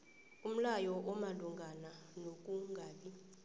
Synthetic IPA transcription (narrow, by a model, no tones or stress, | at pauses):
um̩lajɔʔɔmaluŋɡʱananok̬ʼuŋɡʱaːɓi